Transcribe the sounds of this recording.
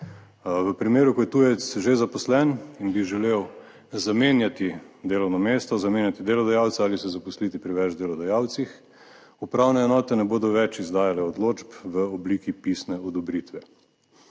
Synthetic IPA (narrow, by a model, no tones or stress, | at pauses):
ʋəpɾimeːɾukɔjɛt̪ujɛt̪sʒezapɔslɛninbiʒɛlew | zamenjat̪id̪eːlɔwnɔmeːst̪ɔzameːnjat̪id̪eːlɔd̪ajaːwt̪saaːlisɛzapɔslit̪ipɾiʋɛd͡ʒd̪eːlɔd̪ajaːwt̪six | upɾawnɛɛnɔːt̪ɛnɛboːd̪ɔʋɛt͡ʃizd̪aːjalɛɔd̪loːd͡ʒpʋəɔbliːkipisnɛɔd̪ɔbɾit̪ʋɛ